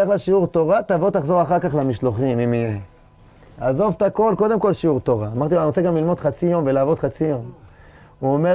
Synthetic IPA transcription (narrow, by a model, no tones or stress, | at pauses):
aχlaʃiuʁt̪o̞ʁat̪avot̪aχzo̞ʁaχaʁkaχlamiʃloχimimije | azovt̪ako̞lko̞d̪e̞mko̞lʃiuʁt̪o̞ʁaːmaʁt̪ianoseɡamlilmo̞d̪χat͡sijo̞mvelaːvo̞d̪χat͡sijo̞m | uome